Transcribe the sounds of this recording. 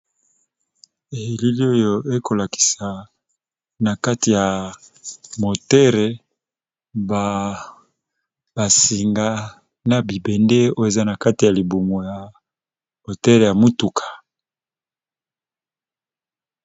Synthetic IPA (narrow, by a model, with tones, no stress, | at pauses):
e˨ji˨li˦li˦o˦jo˦e˦ko˨la˨ki̥˨sa˨ | na˨ka˦ti˨ja˨ | mo˨tɛ˦ʁe˨ | ba˨ | ba˨si˨ŋɡa˦ | na˨bi˨be˨nde˦o˦e˨za˦na˨ka˦ti˨ja˨li˨bu˨mo˨ja˨ | mo˨tɛ˦ʁe˨ja˨mu˦tu˨kʰḁ˨